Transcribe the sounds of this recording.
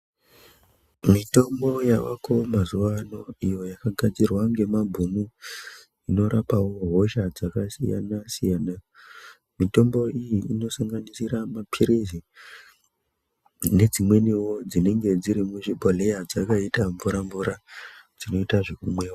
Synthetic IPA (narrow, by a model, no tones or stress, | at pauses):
mito̞mbo̞jawako̞mazuʋano̞ijo̞jakaɡʱad͡zirwaŋɡe̞mabʱumu | ino̞ɾʔapawo̞ɦoʃad͡zakasḭja̰nasijana | mito̞mbo̞ijiino̞saŋɡanisiramapʰiɾizi | ne̞d͡zimwe̞niwo̞d͡zine̞ŋɡe̞d͡ziɾimuʐibʱole̞jad͡zakaitaɱvuɾaɱvuɾad͡zino̞itaʐe̞kumwe̞ːwo